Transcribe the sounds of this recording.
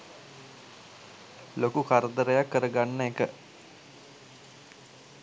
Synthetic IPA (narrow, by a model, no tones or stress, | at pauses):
lokukʰaɾəd̪əɾəjakːəɾəɡanːəekə